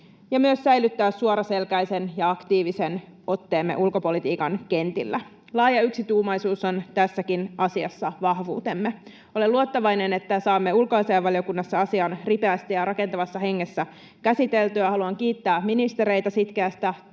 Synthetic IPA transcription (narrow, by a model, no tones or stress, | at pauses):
jɑmyøssæjlyt̪ːæːsːuoɾɑse̞lkæjse̞njɑɑkt̪iːʋise̞n | o̞t̪ːe̞ːmːe̞̰ʔulko̞po̞lit̪iːkɑnke̞nt̪ḭlːæ | lɑːjɑyksit̪uːmɑjsuːso̞nt̪æsːækinɑsiɑsːɑʋɑhʋṵːt̪e̞mːe | o̞leluot̪ːɑʋɑjnene̞t̪ːæsɑːmːeulkoɑseːʋɑlijo̞kunːɑsːɑɑsiɑnripeæst̪ijɑɾɑke̞nt̪ɑʋɑsːɑɦe̞ŋːesːæ | kæsit̪e̞lt̪yɑhɑluɑŋk̟iːt̪ːæːminist̪e̞ɾe̞jt̪ɑsit̪k̟eæst̪æ